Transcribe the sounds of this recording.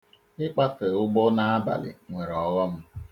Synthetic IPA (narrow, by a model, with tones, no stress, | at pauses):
ɪ˦k͡pa˦sɪ˨ʊ˦ɡ͡bɔ˦na˨a˦ba̰˨lɪ̰˨ŋʷe˨ɾɔ˨ɣɔ˦m̩˦